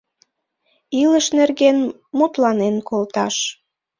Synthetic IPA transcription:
iləʃnerɣen | mut̪lɑnenkʰolt̪ɑʃ

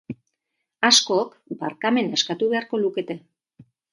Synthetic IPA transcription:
asko̞k | baɾkame̞neskat̪uβe̞aɾko̞luke̞t̪e̞

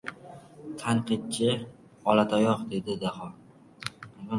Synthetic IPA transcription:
t̪ʰanqɨt̪̚t͡ʃʰɪ | ɒlat̪ʰajɒqd̪e̞d̪ɪd̪aχɒ | na

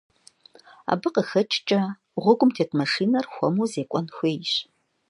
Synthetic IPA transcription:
a̰ːbɨqəxɐt͡ʃʼt͡ʃʼɐ | ʁʷʊɡʷʊmtʰeːkʼmɐʂiːnɐrxʷɔmuːzeːkʷʼɔnxʷeːjɕ

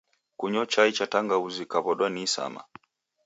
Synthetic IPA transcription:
kuɲɔt͡ʃait͡ʃataŋɡauzikaβɔɗwanisa̰ma̰

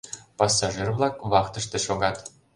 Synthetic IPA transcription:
pɑsːɑʒɨrvlˠɑkβɑkt̪ɤ̆ʃt̪ĕʃoɡɑt̪

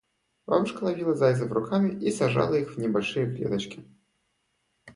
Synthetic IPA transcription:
va̰mʂkɐlˠavʲilˠɐzajzɐvɾʊkʰamʲiisʲaʐa̰lˠɐjixwnʲibalʲʂɨjɐklʲɛ̰d̪ɐt͡ʃkʲi

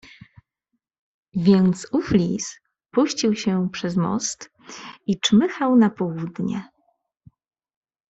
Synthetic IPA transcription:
vʲjɛnt̪suflʲis | puɕt͡ɕiwɕɛpʂɛzmɔ̰st̪ | it͡ʂmɘxawnapɔwud̪ɲɛ̰

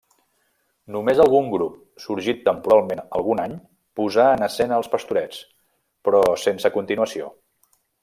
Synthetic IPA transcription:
numezəlˠɣuŋɡɾup̚ | suɾʒit̪ːəmpuɾalˠmenəlˠɣunaɲ | puzaənəsɛnəlˠspəst̪uɾɛt͡s | pɾɔsensəkunt̪inuəsio̰

